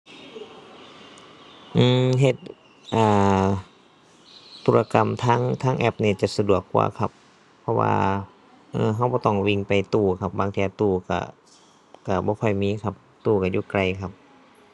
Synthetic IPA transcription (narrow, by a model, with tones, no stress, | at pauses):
ʔɯː˧˩mɦe˧˩t̪̚ | ʔaː˧˩ | t̪ʰːuː˧˥la˧ka˧˨mt̪ʰaː˧˥˨ŋt̪ʰaː˧˥˨ŋʔɛ˧˩p̚niː˧˩t͡ɕa˧˩sa˧du˨˩əkːṵː˧˩kʰa˧p̚ʰː | ɔ˧wa̰ː˧ | ʔɤː˧˩ɦa˧˩wbɔː˧˦t̪ɔ˧˩ŋwi˧˨ŋpa˨jt̪uː˧˩kʰa˧p̚baː˧ŋt̪ʰiː˧˨a˧t̪uː˧˩ka̰˧˩ | ka˧˩bɔː˧˦kʰɔ˧˩jmiː˧˥˨kʰa˧p̚ | t̪uː˧˩ka˧˩juː˧˨kla˧˩jkʰa˧˩p̚